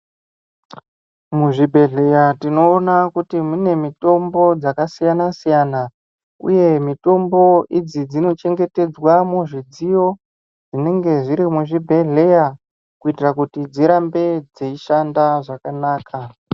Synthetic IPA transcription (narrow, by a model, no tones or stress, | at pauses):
muʐibʱe̞ɮe̞jatino̞ːnakutimune̞mito̞mbo̞d͡zakasijanasijaːna | ṵje̞mito̞mbo̞id͡zid͡zino̞t͡ʃe̞ŋɡe̞te̞d͡zwamuʐid͡zijo̞ | d͡zine̞ŋɡe̞ʐiɾimuʐibʱe̞ɮe̞ja | kuitirakutid͡ziɾambe̞d͡zeiʃandaʐakanaːkʰa